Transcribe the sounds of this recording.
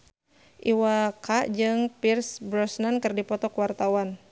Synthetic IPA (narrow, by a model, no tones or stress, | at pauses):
ʔiwakad͡ʒɨŋpirsbɾɔsnankɨrdipɔt̪ɔkwart̪awan